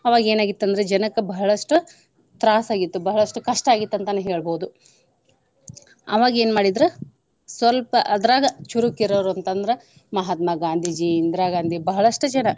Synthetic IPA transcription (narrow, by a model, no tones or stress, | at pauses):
ɐʋaːɡe̞ːnaːɡit̪ːɐnd̪ɐɾed͡ʒɐnɐkɐbɐɦɐɭɐʂʈu | t̪ɾaːsaːɡit̪ːubɐɦɐɭɐʂʈukɐʂʈɐaːɡit̪ːɐnt̪ɐnːeɦe̞ːɭboːud̪u | ɐ̰ʋaːɡɐe̞ːnmaːɽid̪ɾe | sʋɐlpɐʔɐd̪ɐɾaːɡɐt͡ʃuɾukiɾoːɾuɐnt̪ɐnd̪ɐɾe | mɐɦɐt̪mɐɡaːnd̪ʱid͡ʒiːnd̪ɾaːɡaːnd̪ʱibɐɦɐɭɐʂʈɐd͡ʒɐnɐ